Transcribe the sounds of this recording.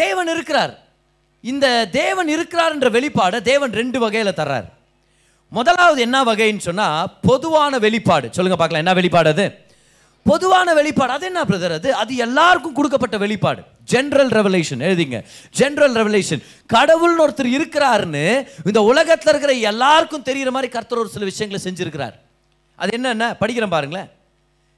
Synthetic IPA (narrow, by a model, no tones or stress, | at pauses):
d̪eːʋɐnɪɾɯkːɪɾaːɾ | ɪnd̪ɐd̪eːʋɐnɪɾɯkːɪɾaːɾɛndrɐʋɛɭɪpːaːɽɐd̪eːʋɐnɾɛɳɖɯʋɐɣɐjɪlɐt̪ɐrːa̰ːɾ | mɔðɐlaːʋɐðɯɛnːaʋɐɣɐjnːɯsɔnːaːpɔðɯʋaːnɐʋɛɭɪpːaːɽɯsɔlːɯŋɡɐpaːɾkɐɭlãɛnːaʋɛɭɪpːaːɽɐðɯ | pɔðɯʋaːnɐʋɛɭɪpːaːɽɯɐðɯɛnːɐːp̬ːɐɽɯt̪ɐɾɐðɯɐðɯɛlːaːɾɯkːɯ̃mkʊɽɯk̬ːɐpːɐʈːɐʋɛɭɪpːa̰ːɽɯ̰ | d͡ʒɛnɾɐlɾɛʋɛleːʂɐneɻɯðiːŋɡɐ̰d͡ʒɛnɾɐlɾɛʋɛleːʂɐn | kɐɽɐʋɯlnoːɾɐt̪ːɪɾɪɾɯkːɪɾaːɾnɯɪnd̪ɐʊlɐɣɐt̪ːɪlɪɾɯk̬ːɪɾɐɛlːaːɾɯkːɯ̃mt̪ɛɾɪjɪɾɐmaːd̪ɾikɐɾt̪ːɐɾoːɾsɪlɐʋɪʂɐjɐŋɡɐɭsɛɲd͡ʒɪɾɯkːɪɾa̰ːɾ | ʔɐ̰ðɛnːɐɛnːɐpɐɽɪkːɪɾɐ̃mpaːɾɯŋɡɐɭɐ